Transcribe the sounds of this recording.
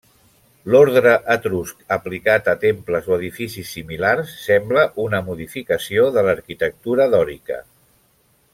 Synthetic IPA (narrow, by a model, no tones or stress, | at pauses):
loɾðɾəʔət̪ɾuskəplikat̪ət̪empləzoəðifisisːimilarsːɛmbləʔunəmuðifikəsioðələɾkit̪ək̚t̪uɾəðɔɾikə̰